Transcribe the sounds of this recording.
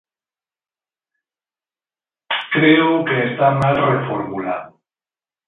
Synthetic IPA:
kɾe̞okeːst̪amalre̞foɾmula

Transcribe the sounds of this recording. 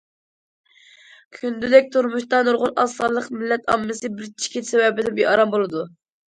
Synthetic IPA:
kʲʰynd̪ylɛk̚ʲt̪ʰuɾmuʃt̪ɑnoɾʁʊnʔɑst̪ɑllːˠəqmɪlːɛt̪ʰɑmːɨsɨbɪɾt͡ʃʰi̥kʲit̪sewɛbɪd̪ɛbeʔɑɾɑmbolˠɨd̪u

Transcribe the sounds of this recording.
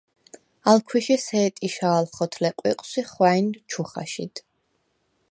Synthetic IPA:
alkʰwiʃisɛːt̪ʼiʃaːlχɔt̪ʰlɛqʼwḭqʼsiχwaint͡ʃʰuχa̰ʃḭd̪̥

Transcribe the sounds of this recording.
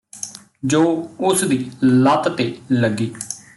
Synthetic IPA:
d͡ʒoːʊsd̪iːlat̪t̪eːləɡːiː

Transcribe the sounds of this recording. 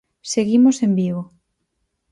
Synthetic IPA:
seɣimosembiβo

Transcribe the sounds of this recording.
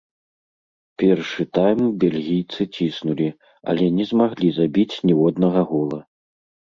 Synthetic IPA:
pʲɛrʂɨt̪ajmbʲelʲɣʲijt̪sɨt͡sʲisnulʲi | a̰lʲɛnʲɛzmaɣlʲizabʲit͡sʲnʲɛwɔd̪nɐɣɐɣɔlˠɐ

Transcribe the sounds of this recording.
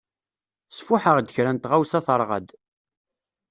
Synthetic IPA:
sfʊħəʁd̪əçɾænt̪ʁawsɑθəɾˤʁə̰d̪

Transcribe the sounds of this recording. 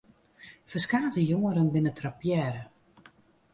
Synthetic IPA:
fəskaːtəjoŋəɾənbɪnətʰrapjɛːɾə

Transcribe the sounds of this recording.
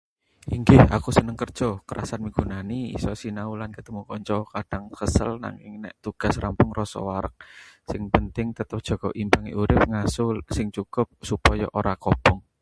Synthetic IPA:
ʔiŋɡɪha̰kusənəŋkər̥ʒ̥ɔkəɾʔa̰sanmiɡ̥ṳnaniḭsɔsinaulankət̪əmukɔɲt͡ʃɔkaɖ̥a̤ŋkəsə̰lna̰ŋɪ̰ŋnɛ̰ʔt̪uɡ̥a̤srampʊŋrɔsɔ̰waɾək̚sɪŋpənt̪ɪŋt̪ət̪əp̚ʒ̥ɔ̤ɡ̥ɔʔimpaŋḭʔuɾɪp̚ŋasʊlsɪŋt͡ʃukʊp̚supɔjɔʔoɾakɔb̥ɔŋ

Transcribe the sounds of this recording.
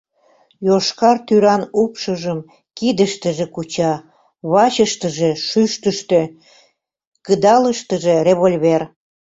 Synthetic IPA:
joʃkɑrt̪yɾɑnupʃəʒəm | kid̪əʃt̪əʒĕkut͡ɕɑ | βɑt͡ɕəʃt̪əʒeʃyʃt̪əʃt̪ø̆ | kəd̪ɑləʃt̪əʒereβolʲβer

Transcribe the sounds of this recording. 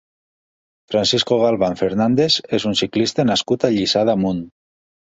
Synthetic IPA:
fɾansiskoɣalˠβaɱfeɾnand̪ezezunsiklist̪enaskut̪aʎisaðamun

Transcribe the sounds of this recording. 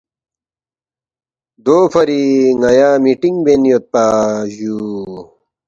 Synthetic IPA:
d̪oːpɐɾiŋɐjaːmiʈiŋbenjot̪̚paːʑuː

